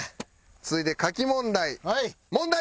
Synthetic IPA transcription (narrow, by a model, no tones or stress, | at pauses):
t͡sɨɨit̪e̞kakʲimõ̞nd̪ai | mõ̞nd̪a